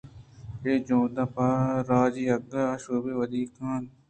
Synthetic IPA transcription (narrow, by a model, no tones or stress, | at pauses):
eːd͡ʒõːd̪apaɾaːd͡ʒiːɐɡaaʃoːbeːʋɐd̪iːkʰaːn